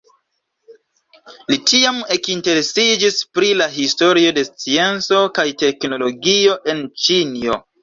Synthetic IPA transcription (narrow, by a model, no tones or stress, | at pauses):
litiame̞kinte̞ɾe̞sid͡ʒispɾilaɦisto̞ɾio̞de̞st͡sie̞nt͡so̞kajte̞kno̞lo̞ɡio̞ʔe̞nt͡ʃinio̞